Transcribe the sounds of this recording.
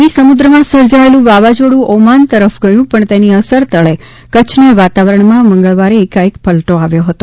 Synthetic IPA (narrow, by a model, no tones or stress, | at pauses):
nisəmud̪ɾəmãsəɾd͡ʒaelũʋaʋad͡ʒoɽũʔomant̪əɾəfɡəjũpəɳt̪eniəsəɾt̪əɭe | kət͡ʃʰneʋat̪aʋəɾəɳmãmə̃ŋɡəɭʋaɾeːkaekpəlʈoaʋjoɦət̪o